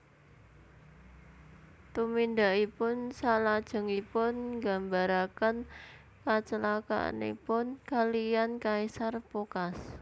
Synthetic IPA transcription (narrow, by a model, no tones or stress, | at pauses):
t̪umind̪aʔipʊnsalad̥ʒ̥ə̤ŋipʊnɡa̤mbaɾakən | kat͡ʃəlaka̰a̰nḛpʊnkalijankaisarpokas